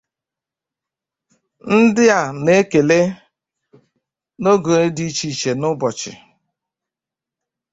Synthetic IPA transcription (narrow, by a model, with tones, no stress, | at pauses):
n̩˦dɪ˦a˨ne˦ke˨le˦ | no˦ɡo˨e˦di˦t͡ʃi˨t͡ʃe˨nʊ˦bɔ˨t͡ʃɪ̰˨